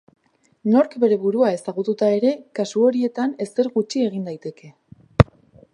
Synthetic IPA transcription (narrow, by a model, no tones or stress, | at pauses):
no̞ɾkbe̞ɾe̞βuɾuae̞saɣut̪ut̪ae̞ɾe̞kasuo̞ɾie̞t̪ane̞se̞ɾɣut͡ʃie̞ɣind̪ajt̪e̞ke̞